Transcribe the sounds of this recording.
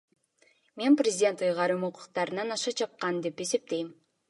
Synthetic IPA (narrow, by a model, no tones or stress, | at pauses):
me̞nprʲɪzʲɪdʲe̞nt̪ɯjʁɑɾɯmuqu̥qt̪ɑɾɯnɑnɑʃɑt͡ʃʰɑp̚qɑnd̪e̞pe̞se̞p̚t̪e̞jm